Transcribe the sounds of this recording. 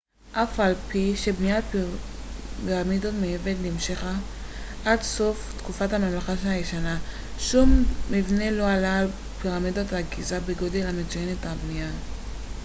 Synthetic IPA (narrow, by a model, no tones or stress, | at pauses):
ʔafalpiʃe̞bnija | iʁamid̪otmeevedlimʃeχa | ʔadso̞ft̪kufathamamlaχaʃeajeʃana | ʃumːivne̞lo̞alal | piʁamidot̪aɡizabeɡo̞delhame̞t͡sujenetabnija